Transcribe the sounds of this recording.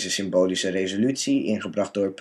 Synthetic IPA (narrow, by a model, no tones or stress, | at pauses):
zəsɪmbowlisərejzolytsiɪŋχəbrɑχd̚dʊːɹp